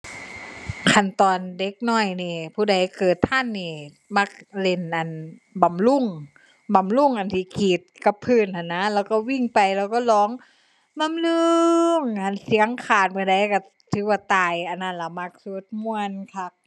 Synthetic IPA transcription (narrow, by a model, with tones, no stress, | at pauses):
kʰa˧˩˨nt̪ɔː˨nde˧˦k̚nɔː˧˩jniː˧˩pʰuː˧˩da˨˩jkɤː˨˩t̪ʰːa˧˥˨nːiː˧˩ | ma˧˥˩k̚le˧˩nʔa˨˩nba˨mlu˧˥˩ŋ | ba˨mlu˧˥˨ŋʔa˨˩nt̪ʰiː˧˦kʰiː˨˩t̪̚ka˧˦pʰɯː˧˨nha˧˩nːa˧˥lɛː˧˩wkɔː˧˩wi˧˩˨ŋpa˨jlɛː˧˩˨wkɔː˧˩lɔː˨˦ŋ | ba˧˨mlɯ˧ŋha˧˩˨nsi˨˧˦ŋkʰaː˨˧˩t̪̚maː˧˩da˧˩jka˧˩ | t̪ʰɯː˨˦waː˧˩t̪aː˨˩jʔa˨˩nːa˧˨nla˧˩ma˧˥k̚su˧˦t̪̚mu˧ənkʰa˧˥p̚